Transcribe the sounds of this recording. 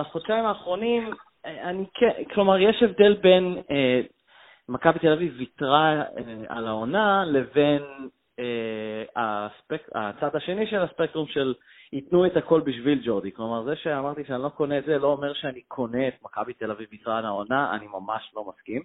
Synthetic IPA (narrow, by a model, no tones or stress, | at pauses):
aχod̥̪ʃaimaːχʁo̞nim | anikʰeklo̞maʁjeʃevd̪e̞lbe̞ne | makabit̪elavivitʁaea̰lao̞nale̞ve̞n | easpeka̰t͡sad̪aʃe̞niʃe̞laspek̚t̪ʁumʃel | it̪nuethako̞lbiʃvild͡ʒoʁd̪iklo̞maʁzeʃeamaʁt̪iʃeanilo̞ko̞neːtzelo̞ːme̞ʁʃeanikʰo̞neːt̪̚makabit̪elavivit̪ʁalaonaa̰nimamaʃlo̞maskim